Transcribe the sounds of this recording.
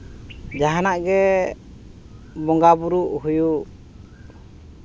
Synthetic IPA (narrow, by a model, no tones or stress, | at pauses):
d͡ʒaɦanaʔɡɛ | bɔŋɡabuɾuʔhujuʔ